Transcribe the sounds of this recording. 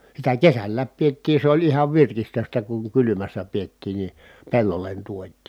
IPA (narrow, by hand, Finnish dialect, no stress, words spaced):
sitæ kesælːæːp pietːiː se olʲ ihɑʋ ʋirkistøstæ kuŋ kylymæsːæ pietːiːn ni pelːolːen tuotˑiː